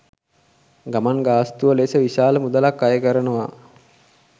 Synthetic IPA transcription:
ɡamanɡaːst̪uʋəleːsəʋiʃaːləmud̪alakːajəkəɾənəʋa

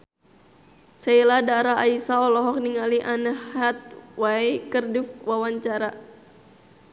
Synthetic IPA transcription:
sailadaɾaːisaɔlɔɦɔk̚niŋaliʔanəat̪̚wajkərdifwawaɲt͡ʃaɾa

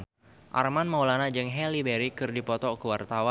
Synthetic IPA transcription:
ʔa̰rmanmawlanad͡ʒɨŋɦɛlibɛɾikɨrdipɔt̪ɔkəwart̪awa

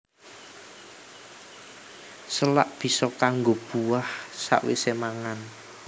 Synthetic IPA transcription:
səla̰ʔb̥i̤sɔkaŋɡob̥uwahsa̰ʔwḛsemaŋan

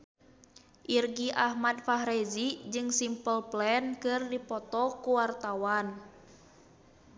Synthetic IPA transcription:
ʔirɡiʔahmad̪̚faɦɾed͡ʒid͡ʒɨŋsimpəlplɛnkɨrdipɔt̪ɔkuwart̪awan

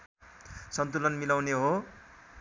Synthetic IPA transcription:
sʌnt̪ulʌnmilawneɦo

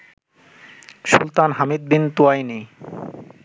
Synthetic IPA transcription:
ʃṵlt̪anɦamid̪̚bint̪uajni

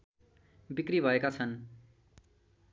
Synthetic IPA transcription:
bikribʱʌekat͡sʰʌn

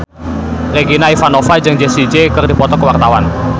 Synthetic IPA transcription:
reɡinaifanofad͡ʒɨŋd͡ʒesid͡ʒekɨrdipɔt̪ɔkəwart̪awan

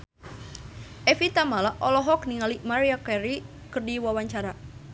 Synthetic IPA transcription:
ʔɛfit̪amalaʔʔɔlɔɦɔk̚niŋalimaɾiakɛɾi | kɨrdiwawaɲt͡ʃaɾa

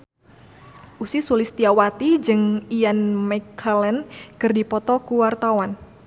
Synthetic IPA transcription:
ʔusisulist̪iawat̪id͡ʒɨŋijanmɛkʰalɛnkɨrdipɔt̪ɔkuwart̪awan

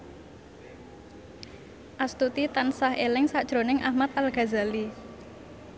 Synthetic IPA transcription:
ʔast̪ut̪it̪ansahelɪŋsaʔd̥ʒ̥ɾonɪŋʔahmat̪̚alɡ̥a̤zali

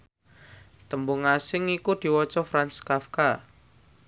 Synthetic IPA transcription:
t̪əmbʊŋasɪŋikud̪̥i̤wɔt͡ʃɔfɾanskafka

